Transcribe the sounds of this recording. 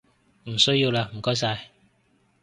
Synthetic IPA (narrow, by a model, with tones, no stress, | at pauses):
m̩˨˩so˦ji˧wla˧m̩˨˩kɔ˨˦js̬aː˧j